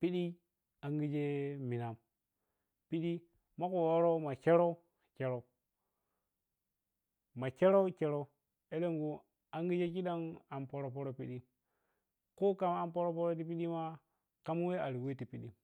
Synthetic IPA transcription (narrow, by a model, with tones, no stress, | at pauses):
pi˦ɗi˦ | a˨ŋɡi˦d͡ʒe˦mi˨na˨m | pi˦ɗi˦ | ma˦ko˨wo˦ɾo˦ma˨ke˦ɾo˦˨ | ke˦ɾo˨ | ma˨t͡ʃe˦ɾo˦t͡ʃe˦ɾo˦ | e˦le˦ŋɡu˨ | a˦ŋɡi˦d͡ʒe˦ki˦ɗa˦ŋa˨mpo˦ɾo˦po˦ɾo˦pi˦ɗi˦ | ko˦ka˨m˦a˨mpo˦ɾo˦p̬o˦ɾo˦t̬i˨p̬i˦ɗi˦ma˦ | ka˦m˦we˦a˨ɾi˨we˦ti˨pi˦ɗi˦